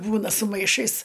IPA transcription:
ˈbuːnɐ sʊ mɐɪˈʃɐɪs

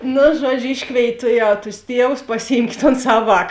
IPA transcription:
ˈnʊ ˈʒuɔd͡ʒʲʊ ˈɪʃkʋʲeːɪtʲ ˈtʊˌjɛʊ tʊs ˈtʲiɛʋʊs pɐsʲɪˈjiːmʲkʲeːt toːn ˈsɐw ˈʋɑːk

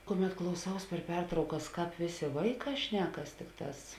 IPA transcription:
ˈkʊˌmʲɛt klˠɐʊˈsɐʊs pʲɛr ˈpʲɛrtrɐʊkɐs ˈkɑːp ˈʋʲeːˌsʲeː ˈʋɐɪˌkɑː ˈʃʲnʲæːkɐs ˈtʲɪkˌtɑːs

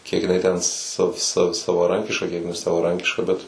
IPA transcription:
kʲiɛk jɪˈnɐɪ tʲɛn sɐ sɐ sɐʋɐˈrɐŋʲkʲɪʃkɐ ˈkʲiɛk nʲɛsɐʋɐˈrɐŋʲkʲɪʃkɐ ˈbʲɛt

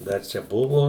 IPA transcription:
ˈdɐr ˈt͡ʃʲɛ ˈbʊʋoː

